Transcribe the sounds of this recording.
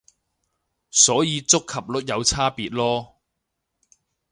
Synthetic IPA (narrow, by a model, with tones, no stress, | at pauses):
sɔː˨˥jiː˨˧t͡sʊ˥kʰːɐ˨p̚lʊ˥k̚jɐ˨˧wt͡sʰaː˥piː˨t̚lɔː˥